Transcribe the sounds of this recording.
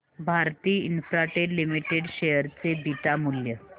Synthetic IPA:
bʱaɾt̪iːinfɾaʈelimiʈeɽɕejəɾt͡sebʱit̪amuljə

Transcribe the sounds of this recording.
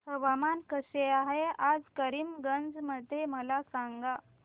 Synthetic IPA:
ɦəʋamankəseaɦead͡zkəɾimɡənd͡zməd̪ʱːeməlasaŋɡa

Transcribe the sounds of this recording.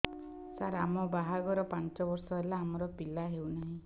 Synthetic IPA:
saɾamɔbaɦaɡɔɾɔpant͡ʃɔbɔɾsɔelaːmɔɾɔpilaɦewnaɦĩ

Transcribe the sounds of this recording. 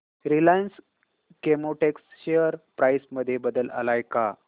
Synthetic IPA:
ɾilajns | kemoʈeksɕejəɾpɾajsməd̪ʱːjebəd̪əla̰lajka

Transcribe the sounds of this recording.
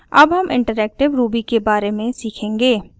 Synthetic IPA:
ɐ̰bɦɐmʔɪ̰̃ɳʈəɾɛːk̚ʈɪʋɾuːbikebaːɾemẽsiːkʰẽːŋɡeː

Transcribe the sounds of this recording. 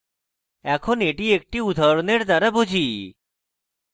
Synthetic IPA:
ɛkʰoneʈiek̚ʈiud̪ʱaɾoneɾd̪aɾabud͡ʑʱi

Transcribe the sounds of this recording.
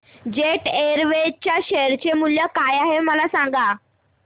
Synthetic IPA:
d͡ʑeʈeɾʋet͡ɕjaɕeɾt͡ɕemuljəkajaɦeməlasãŋɡa

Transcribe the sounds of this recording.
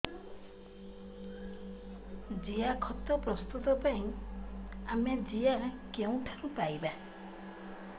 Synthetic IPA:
d͡ʒijakʰɔt̪ɔpɾɔst̪ut̪ɔpajĩ | amed͡ʒijakeũʈʰaɾũpajba

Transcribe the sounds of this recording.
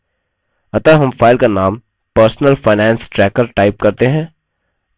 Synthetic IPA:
ɐt̪əɦɐmfaːɪlkanaːm | pəɾsnəlfaːɪnɛ̃ːnsʈɾɛːkəɾʈaːɪp̚kɐɾt̪eɦɛ̃ː

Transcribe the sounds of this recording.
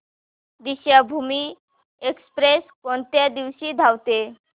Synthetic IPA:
d̪iɕjabʱumiː | ekspɾeskɔnt̪jad̪iʋɕiːd̪ʱawt̪e

